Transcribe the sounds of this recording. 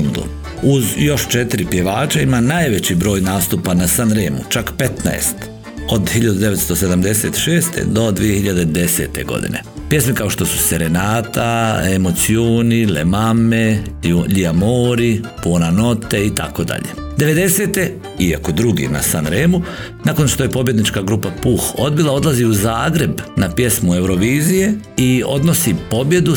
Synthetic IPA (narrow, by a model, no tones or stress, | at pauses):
nd̪o̰ | uzjo̞ʃt͡ʃet̪iɾipje̞ʋaːt͡ʃaimanajʋe̞t͡ɕibɾo̞ːjnaːst̪upanasanɾeːmut͡ʃakpe̞t̪na̰est̪ | o̞d̪hiʎad̪ud̪e̞ʋest̪o̞se̞d̪amd̪e̞se̞̰t̪ʃeːst̪e̞̰d̪o̞d̪ʋijehiʎad̪ed̪e̞sḛt̪e̞̰ɡo̞̰d̪ḭne̞̰ | pje̞smikao̞ʃt̪o̞su̥seɾenaːt̪aemo̞t̪sioːnilḛmameʎiamoːɾipuonano̞t̪e̞it̪ako̞d̪a̰ʎe̞̰ | d̪e̞ʋe̞d̪e̞se̞ːt̪e̞ | iako̞d̪ɾuɡḭna̰sanɾeːmu | nako̞nʃt̪o̞je̞po̞bje̞d̪nit͡ʃkaɡɾupapuxo̞d̪bilˠao̞d̪laziuzaːɡɾe̞bnapje̞smue̞wɾo̞ʋiːzije̞io̞̰d̪no̞sipo̞bje̞d̪u